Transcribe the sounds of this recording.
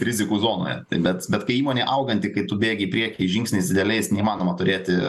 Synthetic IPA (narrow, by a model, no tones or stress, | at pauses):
ɾʲɪzʲɪkuːzoːno̰ːjɛ̰t̪ɐɪbʲɛt̪bʲɛt̪kɐɪiːmoːnʲeːʔɐʊɡɐnʲt̪ʲɪkɐɪt̪ʊbʲeːɡʲɛipʲɾʲiɛkʲɪʒʲɪŋksʲnʲɛɪsʲd̪ʲɪdʲɛlʲɛɪsnʲɛimɑːnoːmɐt̪ʊɾʲeːt̪ʲɪ